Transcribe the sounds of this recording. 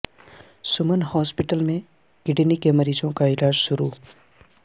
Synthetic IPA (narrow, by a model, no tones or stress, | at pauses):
sʊmənhɔːspɪʈəlmẽ | kɪɖnikemɐɾiːzõkaɪlaːd͡ʒʃʊɾuː